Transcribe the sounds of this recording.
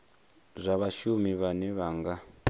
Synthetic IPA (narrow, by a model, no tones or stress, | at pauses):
zʷaβaʃumiβanɛβaːŋɡa